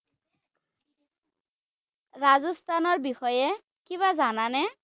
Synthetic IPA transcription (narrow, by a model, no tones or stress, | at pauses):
ɹazɔst̪ʰanɔɹbixɔjɛ | kiβazananɛ